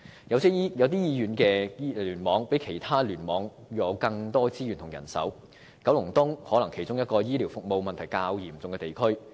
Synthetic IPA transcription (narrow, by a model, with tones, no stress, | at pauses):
jɐ˧wsɛː˥i˥jɐ˨˧wt̪iː˥jiː˧jyː˨˧nkɛː˧˥lyː˨˩nmɔː˨˧˥ŋpe˨˥jkʰe˨˩jt̪ʰaː˥lyː˨˩nmɔː˨˧ŋ | jy˧ɐ˨˧wkɐ˧ŋt̪ɔː˥t͡siː˥jyː˨˩nt̪ʰŋjɐ̰˨˩nsɐ̰˨˥w | kɐ˨˥wlʊ˨˩ŋt̪ʊ˥ŋhɔː˨˥lɐ˨˩ŋkʰe˨˩jt͡sʊ˥ŋjɐ˥t̚kɔː˧jiː˥liː˨˩wfʊ˨k̚mo˨˧wmɐ˨nt̪ʰjkaː˧wjiː˨˩mt͡sʊ˨ŋkɛː˧t̪e˨jkʰɵ˥ɥ